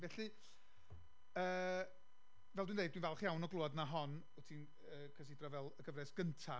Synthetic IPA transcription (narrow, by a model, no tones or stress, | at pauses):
vɛɬɨ | əː | vɛlˠdwiːnejdwiːnvɛlˠχjawnɔɡlˠuːɔdnaɦɔn | ɔtʰiːn | əːkʰrəs̬ɪdrɔvɛlˠəɡəvrɛsɡ̥əntʰa